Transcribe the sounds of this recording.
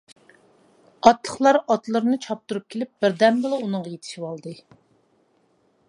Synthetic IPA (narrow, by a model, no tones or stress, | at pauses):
ɑt̪lˠəχlˠɑɾɑt̪lˠɨɾɨnɨt͡ʃʰɑp̚t̪uɾup̚kʲʰelɪp̚b̥ɪɾd̪ɛmbɨlˠɨunɨŋʁɑjet̪ʰɪ̥ʃiwɑlˠd̪ɨ